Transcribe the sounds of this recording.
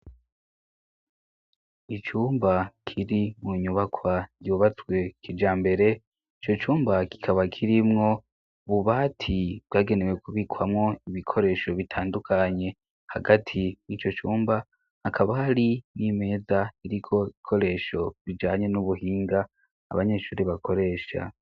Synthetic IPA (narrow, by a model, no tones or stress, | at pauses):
it͡ʃuːmbakʰiɾimuɲuβakʰwajuβat͡swe̞kʰid͡ʒaːmbe̞ɾe̞ | it͡ʃo̞t͡ʃuːmbaki̥kʰaβakʰiɾimŋo̞ | βuβaːtʰiβɡaːɡe̞newe̞kuβikʰwamŋo̞iβikʰo̞ɾe̞ːʃo̞βitʰaːndukʰaɲe̞ | haɡatʰijit͡ʃo̞t͡ʃuːmba | hakʰaβahaɾinime̞ːzaiɾikʰo̞iikʰo̞ɾe̞ːʃo̞βid͡ʒaːɲe̞nuβuhiːŋɡa̰ː | βaɲe̞ʃuːɾeβakʰo̞ɾe̞ːʃa̰